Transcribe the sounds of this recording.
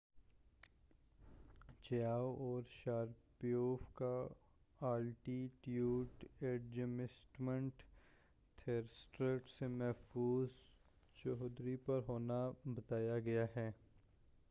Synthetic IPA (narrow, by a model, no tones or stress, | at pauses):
t͡ʃjaːwɔːɾʃaːɾpijoːfka | aːlʈiʈjuːʈeːɖd͡ʒəmɪsʈmə̃ɳʈ | t̪ʰeːɾsʈɾeːʈsemɛɦfuːz | t͡ʃɔɦd̪ɾipɐɾɦoːnabɐt̪aːjaɡɐjaɦɛː